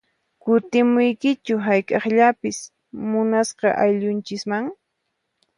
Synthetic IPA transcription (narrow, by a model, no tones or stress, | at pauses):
kʊt̪ɪmʊjkɪt͡ʃʊɦajkʼɑχʎapɪs | mʊnasqɑ̰ʔajʎʊnt͡ʃɪsmaŋ